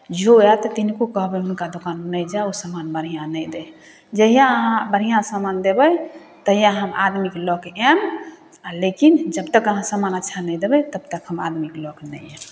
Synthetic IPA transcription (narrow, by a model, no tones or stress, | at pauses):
d͡ʒoɛt̪ɔt̪inkokəɦbɛɦunkad̪okannəd͡ʒausəmanbəɾ̤ijãnəjd̪ɛ | d͡ʒəɦijãəɦãbəɾ̤ijãsamand̪ebəj | t̪əɦijãɦəma̰d̪miklɔkɛm | alekind͡ʒəbt̪əkəɦãsəmanətːʃʰanəjd̪ebət̪əbt̪əkɦəma̰d̪miklɔknəɛm